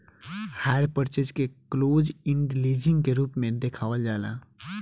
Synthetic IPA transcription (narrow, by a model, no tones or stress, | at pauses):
haːɾpəɾt͡ʃəd͡ʒkekloːd͡ʒɪ̃ɳɖliːd͡ʒɪ̃ŋɡkeɾuːpmẽd̪eːkʰaːʋəld͡ʒaːla̰ː